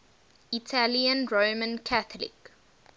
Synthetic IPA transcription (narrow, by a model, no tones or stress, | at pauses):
itʰaliə̃nɹoːmə̃nkʰaθəlḭk